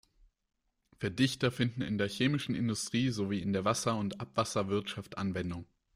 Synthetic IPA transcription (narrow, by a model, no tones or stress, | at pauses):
fɛɐdɪçtɐfɪndn̩ɪ̰ndeːɐçeːmɪʃn̩ɪ̰ndʊstʁ̥iːzoviːɪndeːɐvasɐʊntʔapv̥asɐvɪɐtʃaftʔa̰nvɛndʊŋ